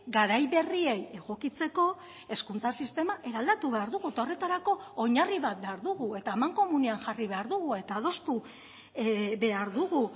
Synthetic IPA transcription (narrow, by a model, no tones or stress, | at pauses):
ɡaɾajβe̞rie̞je̞ɣo̞kit͡se̞ko̞ | e̞skunt͡sasist̪e̞maʔe̞ɾald̪at̪uβe̞aɾðuɣuet̪ao̞re̞t̪aɾako̞ːɲariβat̪̚be̞aɾðuɣue̞t̪amaŋko̞muneaŋʝariβe̞aɾðuɣ̞ue̞t̪aːð̞o̞st̪u | βe̞aɾðuɣu